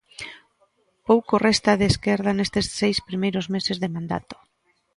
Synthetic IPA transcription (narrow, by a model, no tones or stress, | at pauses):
powkorest̪aðeskeɾð̞anest̪esːejspɾimejɾozmesezðemãnd̪a̰t̪o̥